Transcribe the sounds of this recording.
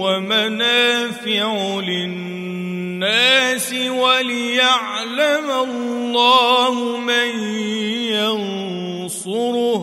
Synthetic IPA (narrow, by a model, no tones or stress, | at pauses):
wamanaːfɪʕʊlɪ | aːsɪwalɪjaʕ | lamallː | ɑːɦʊman | jan | sʊɾʊh